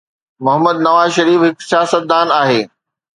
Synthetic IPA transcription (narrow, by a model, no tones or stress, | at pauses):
mʊɦəməd̪nɐʋaːzʃɐɾiːfɦɪksjaːsət̪̚d̪aːnaːɦeː